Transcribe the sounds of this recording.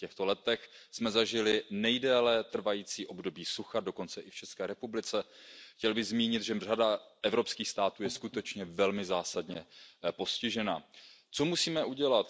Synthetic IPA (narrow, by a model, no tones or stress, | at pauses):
cɛxt̪o̞lɛt̪ɛxsmɛzaʒɪlɪnɛjdɛːlɛt̪r̩vajiːt͡siːʔo̞bdo̞biːsuxado̞ko̞nt͡sɛʔɪft͡ʃɛskɛːɾɛpublɪt͡sɛxcɛlbɪɣzmiːɲɪt̪ʒɛr̝adaʔɛvɾo̞pskiːxst̪aːt̪uːjɛskut̪ɛt͡ʃɲɛvɛlmɪzaːsadɲɛpo̞scɪʒɛna̰t͡so̞musiːmɛʔuɟɛlat̪